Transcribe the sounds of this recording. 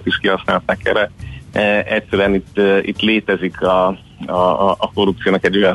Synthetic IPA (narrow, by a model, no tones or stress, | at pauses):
t̪iʃkiɦɒsnaːlt̪aːkɛɾɛ | ɛcsɛɾyɛnit̪ːḭt̪leːt̪ɛzikʰɒ | ɒʔːko̞rupt̪sijoːnɒkɛɟo̞jɒ